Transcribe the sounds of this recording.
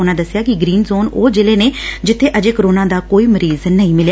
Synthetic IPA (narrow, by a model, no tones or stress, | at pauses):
ʊnãːd̪əsːɪjaːkɪɡɾiːnzoːnoːd͡ʒɪleːneːd͡ʒɪt̪ʰːeːʔəd͡ʒeːkəɾoːnaːd̪aːkoːiːməɾiːznəĩːmɪlja